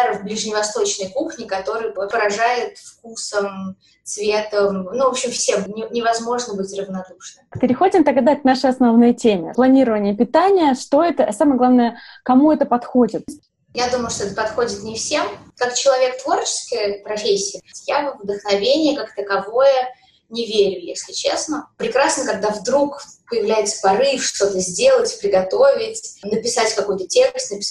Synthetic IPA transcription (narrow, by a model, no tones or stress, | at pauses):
ɾvblʲɪʐnʲɪvɐst̪o̞t͡ɕnəjkuxnʲɪkɐt̪o̞ɾɨjpəɾɐʐajʊt̪fkusəm | tt̪svʲet̪əmnuvo̞pɕɪmfsʲemnʲɪnʲɪvɐzmo̞ʐnəbɨɪtʲrəvnɐd̪uʂnɨpʲɪɾʲɪxo̞dʲɪmt̪ɐɡd̪aknaʂɨjɐsnɐvnojtʲemʲɪ̰plˠɐnʲiɾəvənʲɪjəpʲɪt̪anʲɪjəʂt̪o̞ɛt̪əʔɐsaməjəɡlˠavnəjəkɐmuɛt̪əpɐt̪xo̞dʲɪt̪̚ʲ | jad̪uməjʊʂt̪oɛt̪əpɐt̪xo̞dʲɪt̪nʲɪfsʲemkakt͡ɕɪlˠɐvʲe̞kt̪vo̞rt͡ɕɪ̥skəjəpɾɐfʲesʲːɪəjavvd̪əxnɐvʲenʲɪjəkakt̪əkɐvo̞jə | nʲɪvʲeɾʲʊjesʲlʲɪt͡ɕḛsnəpɾʲɪkɾasnəkɐɡ̚d̪avd̪ɾukpəjɪvlʲæjɪt̪sə̥pɐɾɨfʂt̪o̞t̪əzʲdʲe̞lˠətʲpɾʲɪɡɐt̪ovʲɪtʲnəpʲɪsatʲkɐko̞jt̪ətʲe̞kst̪nəpʲɪ̥s